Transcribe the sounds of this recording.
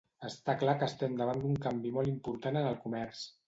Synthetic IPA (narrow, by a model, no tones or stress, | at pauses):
əst̪aklakəst̪ɛmd̪əβand̪uŋkambimɔlˠimpuɾt̪anənəlˠkumɛɾs